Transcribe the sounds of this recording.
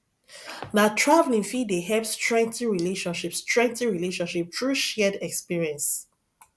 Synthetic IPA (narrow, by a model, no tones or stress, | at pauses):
natʰɹavl̩ĩŋfideɦɛpstʰɹɛ̃ŋtĩɹileʃɔ̃nʃipstɹɛ̃ŋtĩɹileʃɔ̃nʃip̚tɹuʃɛdɛkspiɹiɛ̃ns